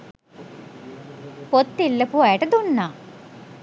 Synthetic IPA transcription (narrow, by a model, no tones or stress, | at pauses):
pot̪ːilːəpuɐjəʈəd̪unːaː